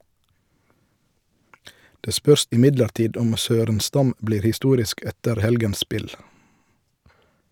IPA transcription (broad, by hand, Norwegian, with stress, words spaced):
ˈdeː ˈspœɾs ɪˈmɪdləɾˌtiːd ˈɔm ˈsøːɾənˌstɑm ˈbliːɾ hɪˈstuːɾɪsk ˈɛtəɾ ˈhɛlɡəns ˈspɪl